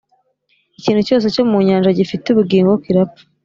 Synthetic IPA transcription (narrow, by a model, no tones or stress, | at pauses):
iciːn̥huco̞ːs̬e̞co̞muɲaːnʒaɟifituβuɡiːŋɡokiɾapu̥